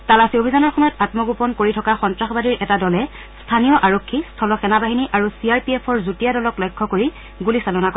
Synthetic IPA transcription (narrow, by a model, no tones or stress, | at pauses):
talasiobʱizanɔɹxɔmɔjɔtatmɔɡupɔnkoɹitʰɔkaxɔntɹaxɔbadiɹʔɛtadɔlɛ | stʰanijɔʔaɹokʰːistʰɔlɔxɛnabaɦiniʔaɹusiaɹpiɛpʰɔɹzutijadɔlɔklɔjkʰːɔkoɹi | ɡulisalɔnakɔ